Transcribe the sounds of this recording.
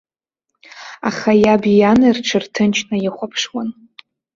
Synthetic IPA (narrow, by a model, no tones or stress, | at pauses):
a̰χajabijanɨrʈ͡ʂʰɨrtʰɨnt͡ʃʰnajɪχʷapʰʂwan